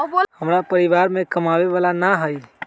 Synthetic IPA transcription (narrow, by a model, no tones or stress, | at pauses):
həmɾapəɾiʋaːɾmẽkəmaʋeʋaːlanaɦəi